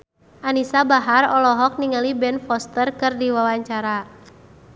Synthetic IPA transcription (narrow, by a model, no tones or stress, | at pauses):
ʔanisabaɦarɔlɔɦɔk̚niŋalibɛnfɔst̪ərkɨrdiwawaɲt͡ʃaɾa